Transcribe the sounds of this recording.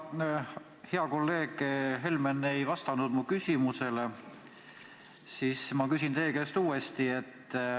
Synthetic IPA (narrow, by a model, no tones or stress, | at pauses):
heɑko̞lːe̞ːɡ̥ɦe̞lmene̞jvɑst̪ɑnud̪̥mukysʲimuse̞le | sismɑkysʲint̪e̞ːkest̪uːe̞st̪ie̞t̪ːˑ